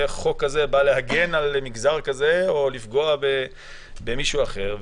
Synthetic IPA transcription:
χo̞kːaze̞balehaɡe̞nalmiɡzaʁkaze̞olifɡo̞abe | be̞miʃuaχe̞ʁv

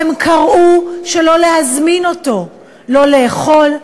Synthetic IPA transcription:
emkʰaʁʔuʃe̞lo̞lehazmino̞to̞ | lo̞le̞ːχo̞l

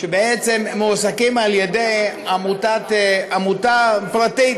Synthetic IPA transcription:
ʃebeet͡semmosakimaljedejamutatamutapɾat̪i

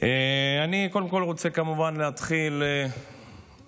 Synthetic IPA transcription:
eanikoldemko̞lʁo̞t͡se̞kamuvanleat̪χile

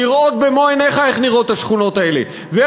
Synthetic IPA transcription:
iʁʔo̞t̪̚bemoeneχaeχniʁo̞t̪aʃχuno̞t̪aelḛ | ve

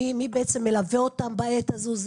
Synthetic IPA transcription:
imibeet͡se̞mːelaveo̞t̪ambaet̪azuz

